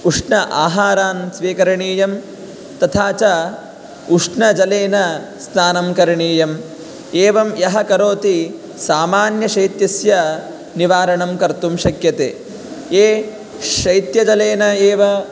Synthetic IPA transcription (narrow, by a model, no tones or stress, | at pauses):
uʂɳɐʔaːɦaːɾaːnsʋiːkɐɾɐɳiːjɐm | t̪ɐt̪ʰaːt͡ʃɐ | uʂɳɐd͡ʒɐleːnɐ | snaːnɐmkɐɾɐɳiːjɐm | eːʋɐmjɐɦɐkɐɾoːt̪i | saːmaːnjɐʃɐjt̪jɐsjɐ | niʋaːɾɐɳɐmkɐɾt̪umʃɐkjɐt̪ḛː | eː | ʃɐjt̪jɐd͡ʒɐleːnɐeːʋɐ